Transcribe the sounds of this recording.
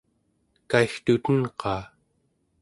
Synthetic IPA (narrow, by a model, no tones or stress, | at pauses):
kaixt̪ut̪ənqɑː